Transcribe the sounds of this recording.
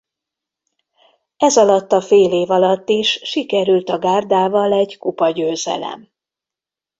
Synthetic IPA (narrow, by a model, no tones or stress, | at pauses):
ɛzɒlɒt̪ːɒfeːleːvɒlɒt̪ːiʃʃikɛɾylt̪ɒɡaːrd̪aːvɒlɛɟkupɒɟøːzɛ̰lɛ̰m